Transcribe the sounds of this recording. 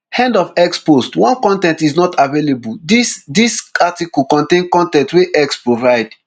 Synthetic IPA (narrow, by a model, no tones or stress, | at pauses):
hɛ̃ndɔfɛkspostwɔ̃nkɔ̃ntɛ̃ntiznɔtʰavelebudisdisatikukɔ̃ntẽnkɔ̃ntɛ̃ntweʔɛkspɹovaɪd